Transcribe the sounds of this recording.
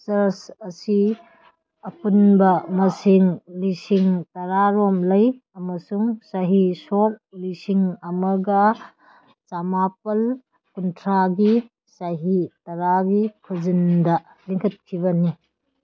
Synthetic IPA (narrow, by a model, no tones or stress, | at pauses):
sɐɾsɐsi | ɐpunbɐmɐsiŋlisiŋtɐɾaɾɔmlɐj | ɐmɐsuŋsaɦisɔk̚lisiŋɐmɐɡa | t͡ʃamap̚ɐl | kuntʰɾaɡi | saɦitɐɾaɡikʰuzindɐ | liŋkʰɐt̚kʰibɐni